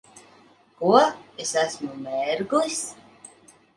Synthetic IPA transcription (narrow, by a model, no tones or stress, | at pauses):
kuɔesæsmumɛɾɡujs